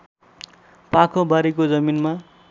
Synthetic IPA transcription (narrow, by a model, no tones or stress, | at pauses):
pakʰobaɾikod͡zʌminma